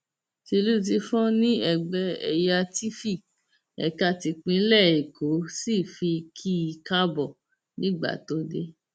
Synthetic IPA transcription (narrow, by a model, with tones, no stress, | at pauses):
ti˧lu˦˧t̬i˧fɔ̃˦nĩ˦ɛ˦˨ɡ͡bɛ˧˦ɛ̰˨ja˧ti˦fi˦˨ | ɛ̰˨ka˧ti˧k͡pĩ˧˦lɛ˦˨e˨kʰo˨˦si˦˨fi˧kʰi˦i˧ka˦bɔ˦˨ | nĩ˦ɡ͡ba̰˦˨to˦de˦